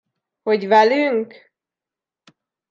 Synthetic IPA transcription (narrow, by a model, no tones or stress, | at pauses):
hoɟvɛlyŋk